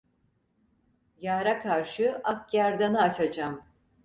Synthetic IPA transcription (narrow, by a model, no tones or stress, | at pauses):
jaːɾakʰaɾʃɯʔak̚jaɾd̪anaːt͡ʃʰad͡ʒam